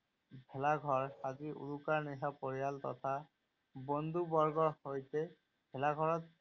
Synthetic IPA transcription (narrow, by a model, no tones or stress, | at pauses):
bʱɛlaɡʱɔɹaziʔṵlukaɹniɦapɔɹijaltɔ̰tʰa | bɔnd̪ʱubɔɹɡɔɹhojtɛ | bʱɛlaɡʱɔɹɔt̚